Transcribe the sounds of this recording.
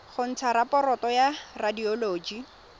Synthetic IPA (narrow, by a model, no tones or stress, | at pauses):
χʊn̩t͡sʰaɾapɔɾɔtɔjaradiɔloːd͡ʒi